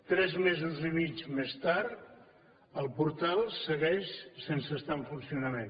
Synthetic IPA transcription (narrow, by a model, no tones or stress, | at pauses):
t̪ɾɛzmezuzimit͡ʃmest̪aɾt̪ | əlˠpuɾt̪alˠsəɣɛʃsensəst̪aəɱfunsiunəmen